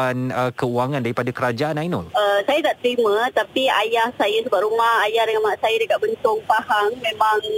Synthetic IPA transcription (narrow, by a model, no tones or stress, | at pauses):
anəkəuaŋandaɾipadakəɾad͡ʒaʔanajnɔ̰ləsajat̪aʔt̪ɾimãt̪apiajahsajasəbaʔɾumahajahdəŋanmaʔsajadəkat̪̚bənt̪ʊŋpahaŋmẽmãŋ